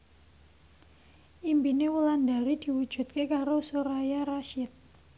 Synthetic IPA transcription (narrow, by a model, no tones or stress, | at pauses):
ʔimbinewəlandaɾid̪̥i̤wud̥ʒ̥ṳt̪̚kekaɾosoɾajaɾaʃɪt̪̚